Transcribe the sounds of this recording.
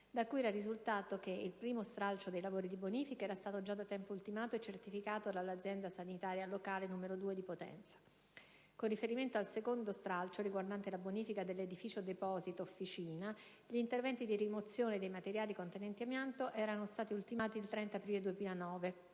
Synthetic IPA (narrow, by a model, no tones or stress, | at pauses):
d̪akːujɛɾarizult̪aːt̪okeilpɾiːmost̪ɾalt͡ʃod̪ejlavoːɾid̪iboniːfikaɛːɾast̪aːt̪od͡ʒad̪at̪ːɛmpoult̪imaːt̪oet͡ʃːert̪ifikaːt̪od̪alːad̪zjɛnd̪asanit̪aːɾjalokaːlenumeɾod̪uːed̪ipot̪ɛ̰nt̪sḁ | konrifeɾiment̪oalsekond̪ost̪ɾalt͡ʃoɾiɡward̪ant̪elaboniːfikad̪elːed̪ifiːt͡ʃod̪epɔːzit̪oːfːit͡ʃiːna | ʎiːnt̪ervɛnt̪id̪irimot̪sːjoːned̪ejmat̪eɾjaːlikont̪enɛnt̪iamjant̪oʔɛːɾanost̪aːt̪iult̪imaːt̪ilt̪ɾɛnt̪aːpɾiːled̪uwemiːlanɔːve